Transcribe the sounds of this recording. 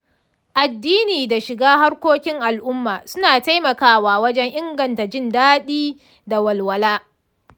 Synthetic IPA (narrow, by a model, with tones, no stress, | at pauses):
ʔa˨dːiː˦niː˨da˨ʃɪ˨ɡaː˦ɦa˦rkʷoː˦kʲɪ˦ŋʔa˨lʔʊ˦mːaː˨sʊ˦naː˨ta˦jmɐ˨kaː˦waː˨wɐ˦d͡ʒɛ˦ŋʔɪ˦ŋɡɐ˨nta˨d͡ʒɪ˦ndaː˦ɗiː˦ | da˨wɐ˨lwɐ˨laː˦